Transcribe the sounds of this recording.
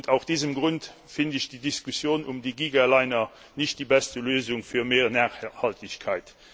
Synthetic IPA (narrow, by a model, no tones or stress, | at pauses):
ntʰaʊsd̥iːzəmɡʁʊnt | fɪndɪɕd̥idiskusjoːnumdiɡiːɡaːlaɪnɐ | nɪʃt̚d̥iːbæstəløːzʊŋfyːɐmeːʁnaːχhɑltɪɕkʰaɪt